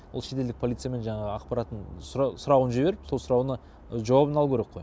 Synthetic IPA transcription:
olˠʃe̞t̪eld̪ɪk̚pʰo̞lʲit̪sɨjame̞nʒɑɴɑʁəɑqpɑɾɑt̪ːənssʊɾɑwənʒeβe̞ɾɪpsolˠsʊɾɑwnə | ʒɑwɑbənɑlˠkʲʰɵɾe̞qʰːo̞j

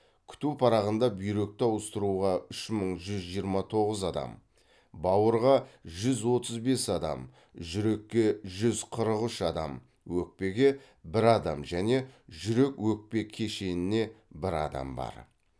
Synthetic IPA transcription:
kʲʰʏ̥t̪upʰɑɾɑʁənd̪ɑbʏjɾe̞k̚t̪ɪɑwəst̪əɾuʁɑʏʃməɴʒʏzʒijəɾmɑt̪ʰo̞ʁəzɑd̪ɑ̰m | bɑwəɾʁɑʒʏzwo̞t̪əzbe̞sɑd̪ɑ̰m | ʒʏɾe̞kʲːe̞ʒʏzqʰəɾəqʏʃɑd̪ɑ̰m | wɵk̚pe̞ɡʲe̞ | bɪɾɑd̪ɑmʒæne̞ʒʏɾe̞kwɵk̚pe̞kʲʰe̞ʃe̞nɪne̞bɪɾɑ̰d̪ɑ̰mbɑ̰ɾ

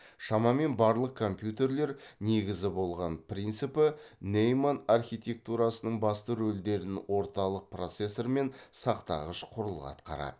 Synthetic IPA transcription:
ʃɑmɑme̞nbɑɾlˠəq̚kʰo̞mpjut̪e̞ɾle̞ɾne̞ɡʲɪzɪbo̞lˠʁɑnpɾʲijnt̪sɨpənejmanarχʲijt̪ʲe̞k̚t̪uɾɑsənəɴbɑst̪əɾɵld̪e̞ɾɪnwʔo̞ɾt̪ɑlˠəq̚pro̞t̪se̞sːo̞ɾme̞nsɑqt̪ɑ̰ʁəʃqʰʊɾəlˠɑ̰t̪qɑ̰ɾɑ̰d̪ə

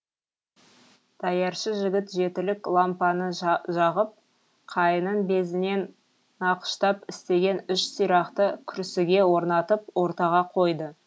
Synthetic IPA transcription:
d̪̥ɑjɑɾʃəʒɪɡʲɪt̪ʒe̞t̪ɪlɪklˠampɑnəʒɑʁəp̚ | qʰɑjənəɴbe̞zɪne̞nː | ɑqə̥ʃt̪ɑpɪst̪e̞ɡʲe̞nʏʃsijɾɑqt̪əkʲʰʏɾsɪɡʲe̞wo̞ɾnɑt̪əp̚wo̞ɾt̪ɑʁɑqʰo̞jd̪ə

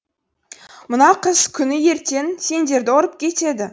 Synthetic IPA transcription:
mʊnɑqʰəzkʲʰʏnɪje̞ɾt̪e̞nse̞nd̪e̞ɾd̪ɪoɾəp̚kʲʰe̞t̪e̞d̪ɪ

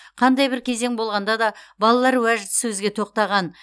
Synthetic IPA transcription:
qʰɑnd̪ɑjbɪɾkʲʰe̞ze̞ŋbo̞lˠʁɑnd̪ɑd̪ɑbɑlˠɑlˠɑɾwæʒɪd̪ɪ̥sɵzɡʲe̞t̪ʰo̞q̚t̪ɑʁɑn

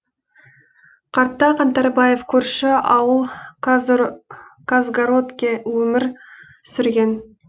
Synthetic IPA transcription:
qʰɑɾt̪ːɑqɑnt̪ɑɾbɑje̞fkʲʰɵɾʃɪɑwəlˠ | kazɡaɾot̪kʲewɵmɪɾ | sʏɾɡʲe̞n

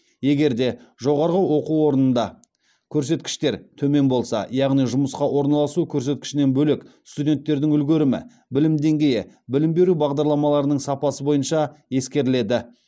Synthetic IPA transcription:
je̞ɡʲe̞ɾd̪e̞ | ʒo̞ʁɑɾʁəwo̞quo̞ɾənənd̪ɑ | kʲʰɵɾse̞t̪kʲɪ̥ʃt̪e̞ɾt̪ʰɵme̞nbo̞lˠsɑ̰jɑʁnijʒʊməsqɑwo̞ɾnɑlˠɑsukʲʰɵɾse̞t̪̚kʲɪ̥ʃɪne̞nbɵlekst̪ud̪ʲe̞nt̪ːe̞ɾd̪ɪŋʏlɡʲeɾɪmɪ̰ | bɪlɪmd̪e̞ŋɡʲe̞jɪ | bɪlɪmbe̞ɾubɑʁd̪ɑɾlˠɑmɑlˠɑɾənəɴsɑpɑsəbo̞jənʃɑje̞skʲe̞ɾɪle̞d̪ɪ

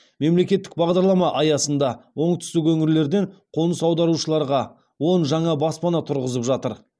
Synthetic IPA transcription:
me̞mle̞kʲe̞t̪ːɪ̥k̚bɑʁd̪ɑɾlˠɑmɑʔɑjɑsənd̪ɑwo̞ɴt̪ʰʏst̪ɪkwɵŋɪɾle̞ɾd̪e̞ɴqʰo̞nəsɑwd̪ɑɾuʃəlˠɑɾʁɑ | wo̞nʒɑɴɑbɑspɑnɑt̪ʰʊɾʁəzəpʒɑt̪əɾ

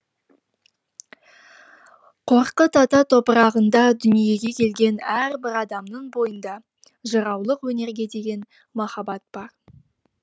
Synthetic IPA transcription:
qʰo̞ɾqət̪ʰɑt̪ɑt̪ʰo̞pəɾɑʁənd̪ɑd̪ʏnije̞ɡʲe̞kʲʰe̞lɡʲe̞næɾbɪɾɑd̪ɑmnəɴbo̞jənd̪ɑ | ʒəɾɑwlˠəqwɵne̞ɾɡʲe̞d̪e̞ɡʲe̞n | mɑχɑbɑt̪̚b̥ɑɾ

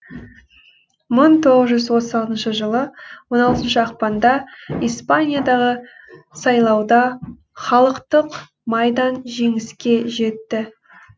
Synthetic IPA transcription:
məɴt̪ʰo̞ʁəzʒʏzwo̞t̪əzɑlˠt̪ənʃəʒəlˠəwo̞nɑlˠt̪ənʃəɑqpɑnd̪ɑispanʲijad̪ɑʁə | sɑjlˠɑwd̪ɑ | χɑlˠəqt̪əq | mɑjd̪ɑnʒe̞ŋɪskʲe̞ʒe̞t̪ːɪ

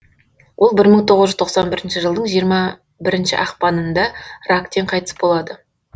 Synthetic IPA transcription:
wʔo̞lˠbɪɾməɴt̪ʰo̞ʁəzʒʏzt̪ʰoqsɑnbɪɾɪnʃɪʒəlˠd̪əɴʒijəɾmɑ | bɪɾɪnʃɪ̰ʔɑqpɑnənd̪ɑrakt̪e̞ɴqʰɑjt̪ə̥sbo̞lˠɑd̪ə

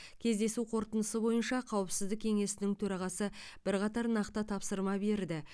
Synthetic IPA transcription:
kʲʰe̞zd̪e̞suqʰo̞ɾt̪ənəsəbo̞jənʃɑqʰɑwəpsɪzd̪ɪkʲʰe̞ŋe̞sɪnɪŋt̪ʰɵɾɑʁɑsəb̥ɪɾqɑt̪ɑɾnɑqt̪ət̪ʰɑpsəɾmɑbe̞ɾd̪ɪ

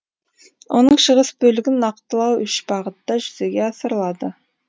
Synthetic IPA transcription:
wʔo̞̰nəɴʃəʁəsbɵlɪɡʲɪnɑq̚t̪əlˠɑwʏʃb̥ɑʁət̪ːɑʒʏzeɡʲeɑsəɾlˠɑd̪ə

